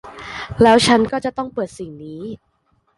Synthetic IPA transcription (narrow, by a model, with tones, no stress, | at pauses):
lɛː˦˥wt͡ɕʰa˦˥nkɔː˥˩t͡ɕa˨˩t̪ɔ˥˩ŋpɤː˨˩t̪̚si˨˩ŋniː˦˥